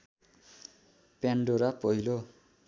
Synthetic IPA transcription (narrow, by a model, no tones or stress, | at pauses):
paɳɖoɾapʌjlo